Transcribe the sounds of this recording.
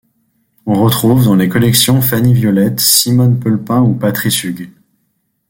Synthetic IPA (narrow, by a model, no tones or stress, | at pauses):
ɔ̃ʁət̪χuvd̪ɑ̃lekɔlɛksjɔ̃fanivjɔlɛt̪simɔnpɔlpɛ̃upat̪χisyɡ